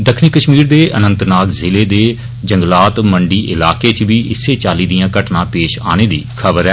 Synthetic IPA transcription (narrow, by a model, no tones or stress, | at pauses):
d̪əkʰniːkəʃmiːɾd̪eːʔənənt̪ɾnaːkzɪleːd̪eː | d͡ʒəŋɡlaːt̪məɳɖiːʔɪlaːkeːt͡ʃʋiːʔɪsːeːt͡ʃaːliːd̪ijãːkəʈnãːpeːʃa̰ːneːd̪ḭːkʰəbəɾɛː